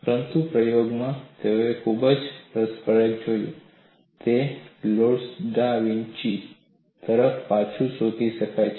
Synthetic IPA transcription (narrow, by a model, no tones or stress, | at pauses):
pəɾənt̪upɾəjoɡmãt̪eoekʰubəd͡ʒpɾəspəɾək̚d͡ʒojṵ̃ | t̪eloɽsɖaʋiɲt͡ʃi | t̪əɾəfpat͡ʃʰũsot̪iʃəkajt͡ʃʰ